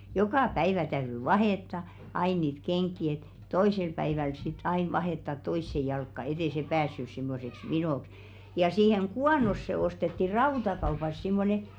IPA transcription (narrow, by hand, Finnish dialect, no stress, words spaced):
jokɑˑ pæiʋæ tæyry ʋɑheˑtːɑ ɑi niːt keŋkˑi et toisel pæiʋæl sit ɑin ʋɑheˑtːɑt toisːe jɑlkːɑ et eˑ se pæːsːys simːoseks ʋinoˑks jɑ siːheŋ ɡ̊uɑnosːe ostetːi rɑutɑkɑupɑs simːone